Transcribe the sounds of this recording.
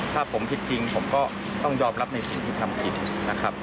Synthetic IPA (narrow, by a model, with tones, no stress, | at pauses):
t̪ʰaː˥˩pʰo˩˦mt̪ʰi˦˥t̪̚t͡ɕi˧ŋpʰo˩˦mkɔː˥˩ | t̪ɔ˥˩ŋjɔː˧˩p̚ɾa˦˥p̚na˧jsi˨˩˦ŋt̪ʰiː˥˩t̪ʰa˧mkʰi˨˩t̪̚na˦˥kʰɾa˦˥p̚